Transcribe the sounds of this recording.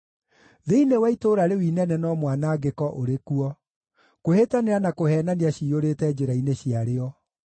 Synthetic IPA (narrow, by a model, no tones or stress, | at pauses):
ðeinewɛitoːɾaɾewinɛnɛnɔmwanaːɡekɔʔoɾekuɔ | kohetaneɾanakoɦɛːnaniaɕioɾeːtɛd͡ʑeɾaineɕiaɾeɔ